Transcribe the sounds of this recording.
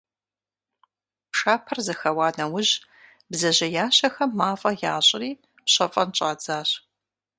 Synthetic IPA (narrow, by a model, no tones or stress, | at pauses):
pʂaːpʰɐrzɨxɐwaːnɐwʊʑ | bzɐʑɐjaːɕɐxɐmːaːfʼɐjaːɕʼɪriː | pɕɐfʼɐnt͡ʃʼaːd͡zaːɕ